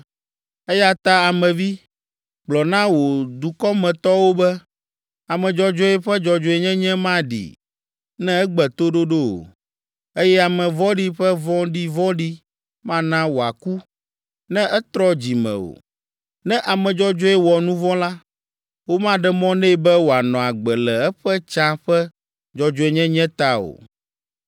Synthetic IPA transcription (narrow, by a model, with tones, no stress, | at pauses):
ɛ˦ja˦t̪a˦a˨mɛ̃˨vi˦ | ɡ͡blɔ˨nã˦wo˨d̪u˨kɔ˦mɛ̃˨t̪ɔ˦wo˦bɛ˦ | a˨mɛ̃˨d͡ʒɔ˦d͡ʒɔ˦ɛ˦ɸɛ˦d͡ʒɔ˨d͡ʒɔ˦ɛ˨ɲɛ̃˦ɲɛ̃˦mã˦ɖḭ˨ | nɛ̃˦ɛ˦ɡ͡bɛ˨t̪o˦ɖo˦ɖo˦o̰˨ | e˦jɛ˦a˨mɛ̃˨vɔ̃˦ɖi˦ɸɛ˦vɔ̃˦ɖi˦vɔ̃˦ɖi˦ | mã˦nã˦wo˨a˨ku˦ | nɛ̃˦ʔɛ˦t̪ɾɔ˦d͡ʑi˨mɛ̰̃˨o̰˨ | nɛ̃˦ʔa˨mɛ̃˨d͡ʒɔ˦d͡ʒɔ˦ɛ˦wɔ˨nũ˦vɔ̃˦la˦ | wo˦mã˦ɖɛ˦mɔ̃˦nɛ̃˦˨bɛ˦wo˨a˨nɔ̃˨a˨ɡ͡bɛ˨lɛ˨ɛ˦ɸɛ˦t͡ʃã˦ɸɛ˦ | d͡ʒɔ˦d͡ʒɔ˦ɛ˦ɲɛ̃˦ɲɛ̃˦t̪a˦o̰˨